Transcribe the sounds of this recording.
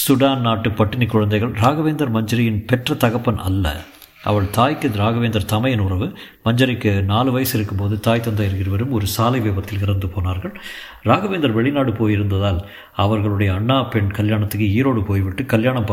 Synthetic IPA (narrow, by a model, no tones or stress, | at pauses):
sʊɽaːnnaːʈːɯpɐʈːɪnɪkːʊɻɐnd̪ɐɪɣɐɭɾaːɣɐʋeːnd̪ɐɾmɐɲd͡ʒɐɾɐjɪnpɛʈrɐt̪ɐɣɐpːɐnɐ̰lːɐ̰ | ʔɐ̰ʋɐɭt̪aːjkːɯɾaːɣɐʋeːnd̪ɐɾt̪ɐmɐjɐnʊrɐʋɯ | mɐɲd͡ʒɐɾɪkːɯnaːlɯʋɐjɐsɪɾɯkːɯmpoːðɯt̪aːjt̪ːɐnd̪aːɪɾɯkːɪɾɐʋɐɾɯmɔɾɯsaːlɐɪʋeːbɐt̪ːɪlkɪɾɐnd̪ɯpoːnaːɾɣɐɭ | ɾaːɣɐʋeːnd̪ɐɾʋɛɭɪnaːɽɯpoːjɪɾɯnd̪ɐðaːl | ɐʋɐɾɣɐɭɯɽɐjɐːɳːaːpɛɳkɐljaːɳɐt̪ːɯkːɯiːɾoːɽɯpoːjʋɪʈːɯkɐljaːɳɐmpɐ